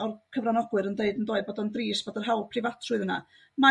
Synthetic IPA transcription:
ɔrkʰəvranɔɡwɨɾəndeɨdəndoːɨd̚bɔːdɔndriːsb̥ɔdərɦawlˠpʰr̥ɪvatʰrʊɨðəna̰ | ma

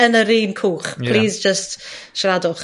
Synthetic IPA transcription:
ənəɾiːnkʰuːχpʰl̥iːzd͡ʒəstʃradʊχ

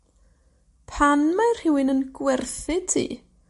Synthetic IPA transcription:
pʰanmajr̥hɪwɪnənɡwɛrθɪtʰḭː

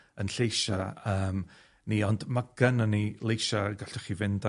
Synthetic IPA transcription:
ənɬejʃaəːm | niːɔndmaɡ̥ənanilˠejʃaɡaɬd̥ɔχivɪnda

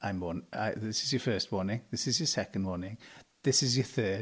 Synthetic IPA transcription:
ʔãɪ̃mwɔːna̰ɪðɪsɪzjəfɜːˑst̚wɔːnɪ̃ŋðɪsɪzjəsɛkə̃n̩dwɔːnɪ̃ŋðɪsɪzjəθɜː

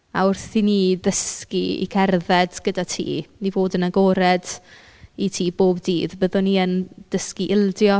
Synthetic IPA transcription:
a̰ʊrθtʰiniːdəskiḭkʰɛrðɛd̥ɡ̥ədatʰḭːnivoːdənaɡoːɾɛd̥ | itʰiːboːbdiːðbəðʊniːənd̥əskiʔɪlˠdjɔ

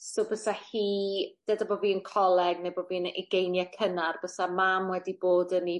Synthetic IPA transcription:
sobəsahiːd̥ədaboːviːənkʰɔlˠɛɡnejboːviːənɛ̰ɡejnjakʰənarb̥əsamamwɛdiboːdəni

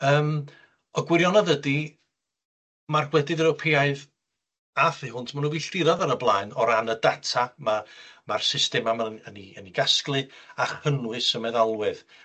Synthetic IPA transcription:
əːm | ɔɡwɪɾjɔnaðədi | marɡwɛdɨðɾɛwpʰeaɨð | afɨɦʊntʰmanuviɬrɪɾɔðaɾəblˠaːɨnɔɾanədatʰamamarsɪstɛmamaəniəniɡasklˠɨaχənwɨsəmɛðalˠwɨð

